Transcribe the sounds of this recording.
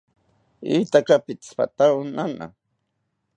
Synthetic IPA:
it̪akapɪt͡spa̰t̪anana̰

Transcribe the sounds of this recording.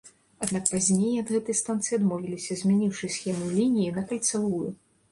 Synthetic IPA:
ad̪nakpazʲnʲejɐd̪ɣɛt̪ɨjst̪ant̪sɨjad̪mɔvʲilʲisʲɐzʲmʲɛnʲiwʂɨsʲxʲɛmulʲinʲijinɐkɐlʲt̪savujṵ

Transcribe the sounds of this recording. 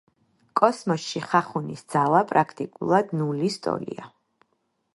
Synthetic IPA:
kʼɔsmɔsʃiχaχunisd̪z̥alˠapʼɾakʰt̪ʼikʼṵlˠad̪nulist̪ʼɔ̰lḭa

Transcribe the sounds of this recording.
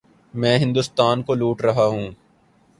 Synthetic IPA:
mɛ̃ːɦɪ̃nd̪ʊst̪aːnkoluːʈɾɐɦaɦũː

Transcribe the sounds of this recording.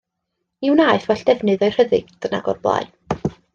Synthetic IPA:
iwnaɨθwɛɬd̥ɛvnɨðɔɨr̥əðɨ̰ɡ̥d̥əna̰ɡɔ̰rblˠa̰ɨ

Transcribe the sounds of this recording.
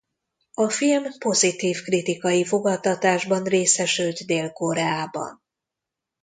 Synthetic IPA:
ɒfilmpo̞zit̪iːfkrit̪ikɒjifo̞ɡɒt̪ɒt̪aːʒbɒnreːsɛʃylt̪d̪eːlko̞ɾɛaːbɒ̰n

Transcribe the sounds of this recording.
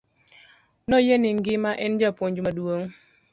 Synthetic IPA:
nɔjenɪŋ̩ɡɪmaʔɪnd͡ʒapoɲd͡ʒumaduoŋ

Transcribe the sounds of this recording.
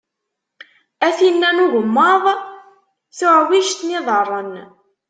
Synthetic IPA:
æθinːænuʝəmːəðˤ | θʊʕwiʃt̪niðˤərˤːən

